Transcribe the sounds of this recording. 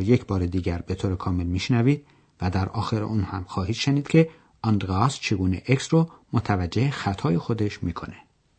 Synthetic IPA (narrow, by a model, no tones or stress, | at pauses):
je̞cʰbɒːɾed̪iːɟæɾbe̞t̪ʰoːɾekʰɒːme̞lmiːʃnæviːd̪̥̚ | væd̪æɾʔɒːxeɾḛʔuːnhæmxɒːhiːt̪ʃeniːd̪̥kʲcʰe̞ | ʔɒnd̪ɾɒst͡ʃʰe̞ɡuːnḛʔeksromot̪ʰævæd͡ʒːehexæt̪ʰɒːjexod̪e̞ʃmiːkʰo̞ne